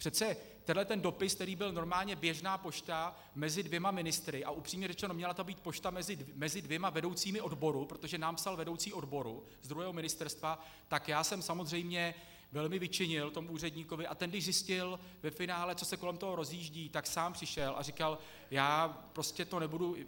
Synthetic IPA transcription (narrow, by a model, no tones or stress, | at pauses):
pr̥ɛt̪t͡sɛ | t̪ɛnɦlɛt̪ɛndo̞pɪskt̪ɛɾiːbɪlno̞ɾmaːlɲɛbjɛʒnaːpo̞ʃt̪a | mɛzɪdvjɛmamɪnɪst̪ɾɪʔa̰ʔupr̥iːmɲɛrɛt͡ʃɛnomɲɛlat̪obiːt̪̚po̞ʃt̪amɛzɪmɛzɪdvjɛmavɛdo̞wt͡siːmɪʔo̞dbo̞ɾupɾot̪o̞ʒɛnaːmpsalvɛdo̞wt͡siːo̞dbo̞ɾu | zd̪ɾuɦɛːɦo̞mɪnɪst̪ɛɾst̪va | t̪akjaːsɛmsamozrɛjmɲɛ | vɛlmɪvɪt͡ʃɪɲɪlt̪o̞muʔuːr̝ɛdɲiːko̞vɪʔat̪ɛndɪʒzɪscɪl | vɛfɪnaːlɛt͡so̞sɛko̞lɛmt̪oɦo̞ɾo̞zjiːʒɟiːt̪aksaːmpr̥ɪʃɛlʔa̰rɪkal | jaːpɾo̞scɛt̪o̞nɛbudu